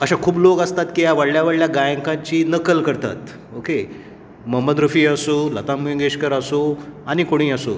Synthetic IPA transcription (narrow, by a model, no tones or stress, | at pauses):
əɕakʰuːbloɡəst̪at̪kijaʋəɽljaʋəɽljaɡajə̃ŋkãɲt͡ɕiːnəkəlkəɾt̪a̰t̪ | oke | məməd̪ɾufiːəsolət̪ãmũŋɡeɕkəɾəsoanikoɽ̃ĩːəso